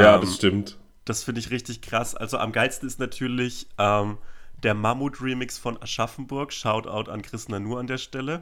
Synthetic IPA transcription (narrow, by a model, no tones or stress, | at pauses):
jaːdasʃtɪmt | d̥asfɪndəɪçʁɪçtɪçkʁ̥asʔa̰lzoʔa̰mɡaɪstn̩ɪstnatʰyːɐlɪçʔɛːmd̥eːɐmamuːtʁimɪksfɔnaʃafn̩bʊɐkʃaʊta̰ʊta̰nkʁ̥ɪsnanuːɐandeːɐʃtɛlə